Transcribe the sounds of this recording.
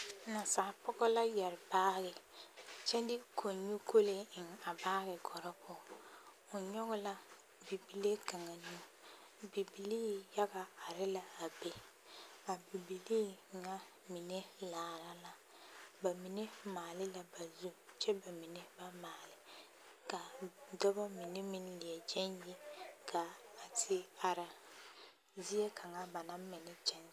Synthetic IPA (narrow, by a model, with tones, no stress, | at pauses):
na˨sa˨pɔ˦ɡɔ˦la˦jɛ˨ɾɪ˨baː˦ɣɪ˨t͡ʃɛ˦dɪ˦kʰo˨ɲu˦kʰo˦le˦ɪ˨ŋa˨baː˦ɣɪ˨ɡɔ˨ɾɔ˦pʊ˨ | ʊ˨ɲɔ˦ɣɔ˦la˦ | bi˨bi˨le˦ka˨ŋa˨nu˦ | bi˨bi˨liː˦ja˦ɡa˨a˨ɾɪ˦la˦a˨be˨ | a˨bi˨bi˨liː˦˨ŋa˦ | mi˨ne˦laː˨ɾa˦la˨ | ba˨mi˨ne˦maː˨lɪ˦la˨ba˨zu˦t͡ʃʰɛ˦ba˨mi˨ne˦ba˦maː˨lɪ˦ | ka˨dɔ˦ba˦mi˨ne˦mi˦n˦lɪ˨ɛ˨d͡ʒɛ˦nje˦kʰaː˨tʰɪ˦a˨ɾa˨ | zi˦ɛ˦kʰa˨ŋa˦ba˨nã˦m˦mɛ˨nɛ˦t͡ʃɛ˦n˦